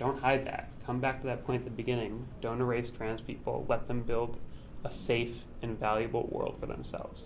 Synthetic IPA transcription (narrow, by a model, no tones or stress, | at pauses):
d̥õʊ̃nt̚haɪd̪̚ðæ̰t̚kʰʌ̃mbæk̚tʰɨðɨt̚pʰɔ̃ɪ̃nðəbɨɡɪ̃nɪ̃ŋd̥õʊ̃ñə˞eɪstʰɹ̥æ̃nz̥pʰipl̩ˠlɛt̪̚ðɨ̃mbɪlˠd | əseɪf | ɨ̃nvælˠjɨbl̩ˠwɜ̰˞lˠd̥fə̰˞ðə̰̃msɛ̰lˠvz̥